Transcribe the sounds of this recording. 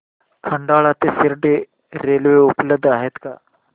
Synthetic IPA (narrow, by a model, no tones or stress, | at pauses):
kʰəɳɖaɭat̪esiɾɖe | ɾeːlʋeupləb̚d̪ʱaɦet̪ka̰